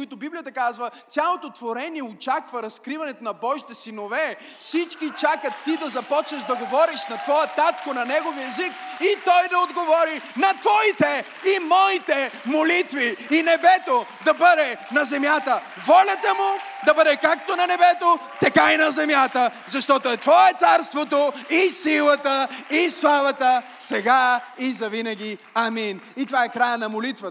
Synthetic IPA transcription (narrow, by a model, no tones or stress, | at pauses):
ʊit̪ʊbiblijɐt̪ɐkazvə | sʲjalˠot̪ot̪voɾɛniɛot͡ʃakvɐɾɐskɾivɐnɛt̪onɐbɔʒit̪ɛsinovɛ | fsit͡ʃkit͡ʃakət̪ːid̪ɐzɐpɔt͡ʃnɐʃd̪ɐɡovɔɾiʃnɐt̪vɔjət̪at̪konɐnɛɡoviɛzikit̪ɔjd̪ɐod̪ɡovɔɾinɐt̪vɔit̪ɛ | imɔit̪ɛmolit̪viːnɛbɛt̪od̪ɐbəd̪ɛnɐzɛmjat̪ə | vɔlʲɐt̪əmʊd̪ɐbəd̪ɛkakt̪onɐnɛbɛt̪ot̪ɐkajnɐzɛmjat̪əzɐʃt̪ɔt̪oɛt̪vɔɛt̪saɾst̪vot̪oisilˠɐt̪əislˠavɐt̪ə | sɛɡaizɐvinɐɡ̟ʲi | aminit̪ovaɛkɾajənɐmolit̪vɐt̪